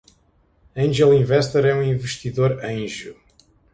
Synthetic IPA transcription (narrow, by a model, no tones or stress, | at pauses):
ɐ̃ʒɛlˠĩvɛʃt̪ɛɾɛũĩvɨʃt̪iðoɾɐ̃j̃ʒu